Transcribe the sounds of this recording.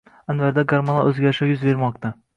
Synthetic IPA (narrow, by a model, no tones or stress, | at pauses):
ænvæɾd̪æɡaɾmona̰ʔɵzɡʲæɾɪʃɛjʊzveɾmɒq̚t̪ɑ